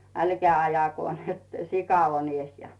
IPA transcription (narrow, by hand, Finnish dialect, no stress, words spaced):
ælkæː ɑjɑko net sikɑ on ies jɑ